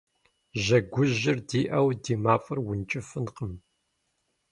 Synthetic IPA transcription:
ʑɐɡʷʊʑɪrdiːʔɐwdiːmaːfʼɨrwʊnt͡ʃʼɪfɨnqəm

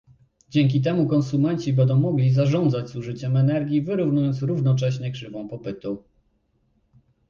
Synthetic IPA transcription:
d͡ʑɛŋk̬ʲit̪̬ɛmukɔnsumɛnt͡ɕibɛnd̪ɔ̃w̃mɔɡlʲizaʐɔnd̪zad͡ʑzuʐɘt͡ɕɛmɛnɛɾɡʲivɘɾuvnujɔnt̪sɾuvn̪ɔt͡ʂɛɕɲɛkʂɘvɔ̃w̃pɔpɘt̪u

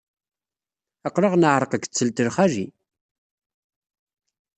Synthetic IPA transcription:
əqːɾəʁnəʕɾˤəqəkt͡sːəlt̪əɾχæʒi

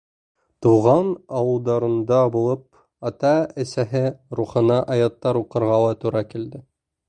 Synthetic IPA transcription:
t̪uʁɑnɑwɤ̆lˠd̪ɑɾɤ̆nd̪ɑbulˠɤp̚ | ɑt̪ɑɘ̆sæɦɘɾuχɤ̆nɑʔɑjɑt̪ːɑɾuqɤ̆ɾʁɑw̪ˠɑt̪uɾɑkild̪ɘ

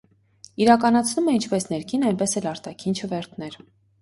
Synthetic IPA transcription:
iɾɑkɑnɑt͡sʰnumɛint͡ʃʰpɛsnɛɾkʰinɑjnpɛsɛlɑɾt̪ɑkʰint͡ʃʰəvɛɾt̪ʰnɛɾ

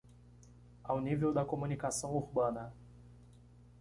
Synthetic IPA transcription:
awnivewd̪ɐkomunikasɐ̃w̃uɾbɐ̃nɐ

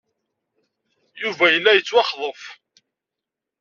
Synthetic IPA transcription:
juvæjəlːæjət͡sːwɑχðˤəf

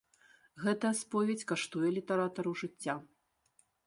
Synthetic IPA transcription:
ɣɛt̪ɐjɐspɔvʲɛt͡sʲkaʂt̪ujɛlʲit̪ɐɾat̪ɐɾɐwʐɨt͡sʲːa

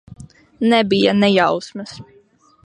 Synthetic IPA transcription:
nɛbijanɛjawsmɐs

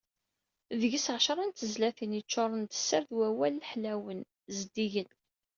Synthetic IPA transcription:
ðəʝəsʕʃɾˤɑnt̪əzlæθinit͡ʃːʊɾˤənt̪ə̥sːəɾðwæwælːħlæwən | zd̪iʝən

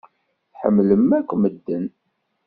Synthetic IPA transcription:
θħə̰mːləmːækʷːməd̪ːən

